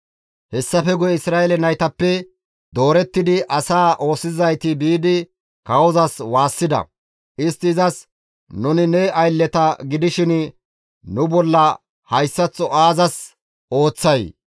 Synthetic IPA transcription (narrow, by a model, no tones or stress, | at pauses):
hɛsːɐfɛɡʊjɛɪsɾaːjeɛlɛnɐjt̪ɐpːɛ | d̪o̞ːɾɛt̪ːɪd̪ɪʔɐsaːʔo̞ːsɪzɐjt̪ɪbiːd̪ɪ | kɐwɔzɐswaːsːɪd̪ɐ̰ | ʔɪst̪ːɪːzɐs | nʊnɪnɛɐjlːɛt̪ɐɡɪd̪ɪʃɪn | nʊbɔlːɐ | hɐjsːɐt͡sːɔaːzɐs | o̞ːt͡sːɐj